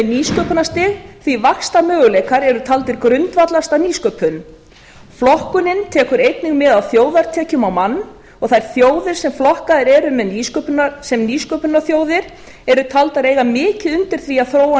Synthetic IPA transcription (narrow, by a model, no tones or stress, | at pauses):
niːskœpʏnast̪ɪɣθvivakst̪amœːɣʏlejkaɾɛɾʏt̪ʰalt̪ɪɾkɾʏnt̪vat̪last̪aniːskœːpʰʏn | flɔhkʏnɪnt̪ʰɛːkʏɾejt̪niŋmɪðawθjoːwðaɾ̥t̪ʰɛːcʏmawmanː | ɔɣθajɾ̥θjoːwðɪɾ̥sɛmflɔhkaðɪɾɛɾʏmɛðniːskœpnasɛmniːskœːpʏnaɾθjoːwðɪɾ̥ | ɛɾʏt̪ʰalt̪aɾeːjɣamɪːcɪðʏnt̪ɪɾ̥θviaðθɾoːwa